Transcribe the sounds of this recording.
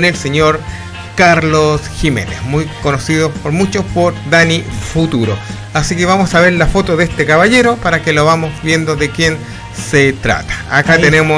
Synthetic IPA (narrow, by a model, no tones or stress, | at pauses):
nelseɲoɾ | kaɾlosxime̞̰nesmujko̞nosiðopoɾmut͡ʃospoɾd̪anifut̪uɾo | asikeβamosaβe̞ɾlafo̞t̪oðest̪ekaβaʎe̞ɾo̞paɾakeloβamosβje̞nd̪oðekjen | set̪ɾa̰t̪ḁːkat̪enemo